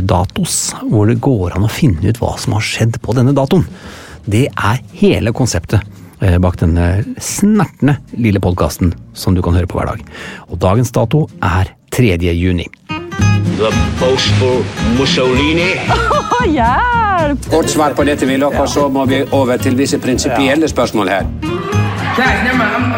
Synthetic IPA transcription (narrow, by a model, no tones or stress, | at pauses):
d̪ɑ̰ːt̪ʊsʋʊɖɛɡoːɾɑ̰nɔfɪnːəʉ̰ːt̪ʋɑ̰ːsɔmhɑʂɛd̪ːpʰɔd̪ɛnːəd̪ɑːt̪ʊn | d̪ɛʔæɾheːləkʰʊnsɛpt̪ʰə | bɑːkd̪ɛnːəsmæʈːɳəlɪlːəpʰɔd̪̚kʰɑ̰ːst̪nsɔmd̪ʉkʰɑnhøːɾəpʰɔʋæ̰ːɖɑ̰ːɡɔd̪ɑːɡənsd̪ɑːt̪ʊʔæɾ | t̪ʰɾɛd̪jəjʉːnɪ̰ | d̪ʉæbɔʊsfɔmʊsɔʊliːnɪ | ɡɔʈsʋɑːɾpʰɔd̪ɛt̪ːəʋɪlɔkːɔsɔmɔʋɪʔoːʋəɾʈʰɪlʋɪsəpʰɾɪnsɪpɪɛlːəspœʂmoːlhæːɾ